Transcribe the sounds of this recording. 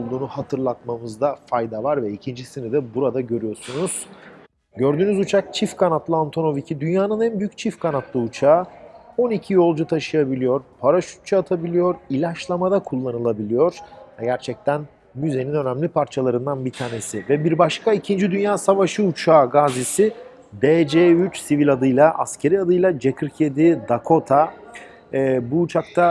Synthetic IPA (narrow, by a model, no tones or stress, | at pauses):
lˠd̪uːnuhat̪ʰɯɾlˠat̪̚mamɯzd̪afajd̪avaɾvɛicʰind͡ʒisinid̪ɛbuɾad̪aɟø̞ɾyjo̞ɾsunuz̥ | ɟø̞ɾd̪yːnyzut͡ʃʰak̚t͡ʃʰifkʰanat̪lˠɯant̪ʰo̞no̞vicʰid̪ynjaːnɯnænbyjy̥ct͡ʃʰifkʰanat̪lˠɯut͡ʃʰaːo̞nicʰijo̞lˠd͡ʒut̪ʰaʃɯjabilʲijo̞ɾpʰaɾaʃu̥t̪̚t͡ʃʰaaːt̪ʰabilʲijo̞ɾilʲat͡ʃlˠamad̪akʰulˠːanɯlˠabilʲijo̞ɾ̥vɛɟæɾt͡ʃʰɛc̚t̪ʰæn | myze̞ninø̞næmlʲipʰaɾt͡ʃʰalˠaɾɯnd̪anbit̪ʰaːne̞sivɛbiɾbaʃkʰaicʰind͡ʒid̪ynjaːsavaʃɯut͡ʃʰaːɡaːzisi | d̪ed͡ʒeyt͡ʃsivilʲad̪ɯjlˠaʔa̰scʰe̞ɾiad̪ɯjlˠad͡ʒe̞kʰɯɾcʰed̪id̪akʰo̞t̪ʰa | buːt͡ʃʰak̚t̪ʰa